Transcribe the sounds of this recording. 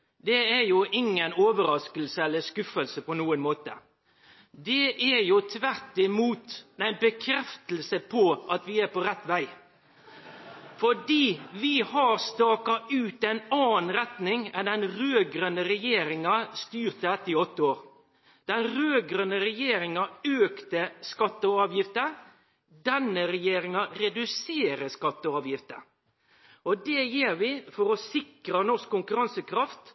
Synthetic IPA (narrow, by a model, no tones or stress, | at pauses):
d̪ɛæɾjʊʔɪŋːənoːʋəɾɑskəlsəɛlːəskʉfəlsəpɔnuːənmoːt̪ə̰ | d̪ɛʔæɾjʊt̪ʰʋæɾt̪ɪmuːt̪æɪnbəkʰɾɛft̪əl̩səpʰɔʔɑt̪ʋɪæɾpɔɾɛt̪ːʋæɪ | fɔɖiːʋɪhɑɾst̪ɑːkɑʔʉːt̪æɪnɑːnɾɛt̪nɪŋɛnd̪ɛnɾøːɡɾœnəɾɛjeːɾɪŋɑst̪yːɾt̪əɛt̪ɪɔt̪ːəoːɾ | d̪̥ɛnɾøːɡɾœnəɾɛjeːɾɪŋɑøːkt̪əskɑt̪ːəɔɑːʋjɪft̪ə | d̪ɛnːəɾɛjeːɾɪŋɑɾɛd̪ʉseːɾəskɑt̪ːəɑːʋjɪft̪ə | ɔd̪ɛjeːɾʋɪfɔɾɔsɪkɾənɔskʰːʊŋkʉɾɑnsəkʰɾɑft̪